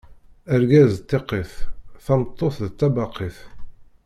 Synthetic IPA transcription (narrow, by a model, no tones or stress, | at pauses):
əɾɡæzt̪ːeqːeθθɑmt̪ˤːoθðət͡s̪ːæbɑqʰːiθ